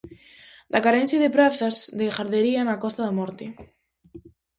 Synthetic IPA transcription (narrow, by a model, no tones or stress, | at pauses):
d̪akaɾensjiðepɾaθazðexaɾðeɾianakɔst̪aðamɔɾt̪i